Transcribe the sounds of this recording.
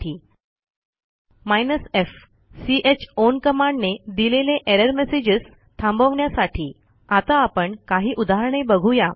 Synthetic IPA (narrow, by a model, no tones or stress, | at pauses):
iː | majnəsef | siʔet͡ɕonkəmaɳɖned̪ileleʔeɾəɾmesed͡ʑəs | t̪ʰãmbəʋɳjasaʈʰiː | at̪aːpəɳkaɦiːʔud̪aɦəɾɳ̃ebəɡʱuja